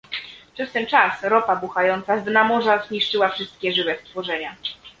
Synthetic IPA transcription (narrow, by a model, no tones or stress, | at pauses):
pʂɛst̪ɛnt͡ʂasɾɔpabuxajɔnt̪sazd̪namɔʐazɲiʂt͡ʂɘwafʂɘst̪kʲɛʐɘvɛst̪fɔʐɛɲa